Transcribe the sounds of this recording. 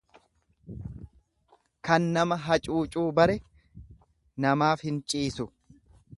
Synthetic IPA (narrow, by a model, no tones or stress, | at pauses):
kɐnːɐmɐɦɐt͡ʃʼuːt͡ʃʼuːbɐɾɛ | nɐmaːfhɪnt͡ʃʼiːsʊ